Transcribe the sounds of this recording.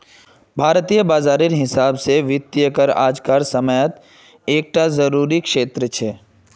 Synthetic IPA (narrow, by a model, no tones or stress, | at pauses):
bʱaːɾt̪ijəbaːzaːɾɪɾɦɪsaːbseʋɪt̪ːjəkəɾa̰ːd͡ʒkaːɾsəməjət̪ | eːk̚ʈʰazɐɾuːɾikʃeːt̪ɾət͡ʃʰeː